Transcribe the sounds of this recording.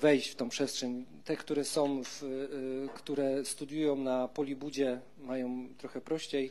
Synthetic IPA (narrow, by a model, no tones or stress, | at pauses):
vɛjɕt͡ɕft̪ɔ̃w̃pʂɛstʂɛɲt̪ɛkt̪uɾɛsɔ̃w̃f | kt̪uɾɛst̪ud̪ʲjujɔ̃w̃napɔlʲibud͡ʑɛ | majɔ̃w̃t̪ɾɔxɛpɾɔɕt͡ɕej